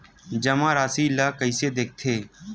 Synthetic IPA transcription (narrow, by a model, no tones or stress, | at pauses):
d͡ʒəmãːɾaːsiːlːaːkəiseːd̪eːk̚ʰt̪ʰeː